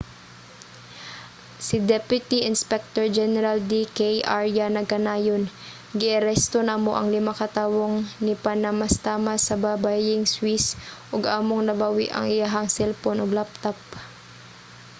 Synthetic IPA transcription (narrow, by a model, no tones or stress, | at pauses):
sɪd̪ɛpjʊt̪iʔɪnspɛk̚t̪oɹd͡ʒɛnɛɾald̪ikejʔaɹjanɐɡɐnaːjon | ɡɪʔɐɾɛst̪onamoʔɐŋlɪmakɐt̪aːwoŋnɪpanɐmɐst̪aːmasɐbaːbajɪŋswisʔoɡʔaːmoŋnɐbawɪ̰ʔɐ̰ŋʔɪjaɦɐŋsɛlponoɡlap̚t̪ap̚